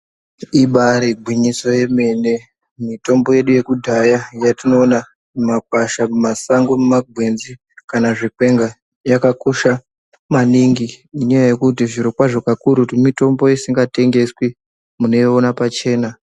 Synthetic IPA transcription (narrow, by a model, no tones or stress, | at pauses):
iɓaɾeɡʱwiɲiso̞je̞me̞ne̞ | mito̞mbo̞je̞ɗuje̞kudʱajajatino̞ːna | mak̚waʃamumasaŋɡomumaɡʱwe̞nzi | kanaʐikwe̞ŋɡa | jakakoʃa | maniŋɡiiɲajaje̞kutiʐiɾokwaʐokakuɾutimito̞mbo̞isiŋɡate̞ŋɡe̞swi | mune̞joonapat͡ʃe̞ːna